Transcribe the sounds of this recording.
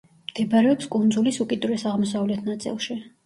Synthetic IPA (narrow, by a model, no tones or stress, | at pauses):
md̪̥ɛbaɾɛɔpskʼund̪zulisukʼid̪uɾɛsaʁmɔs̬avlɛt̪ʰnat̪sʼḭlˠʃi